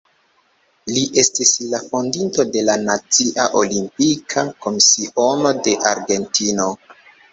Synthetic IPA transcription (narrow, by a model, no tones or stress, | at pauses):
liʔe̞stislafondinto̞de̞lanat͡siʔaʔo̞limpikʰako̞misio̞no̞de̞ʔaɾɡe̞ntino̞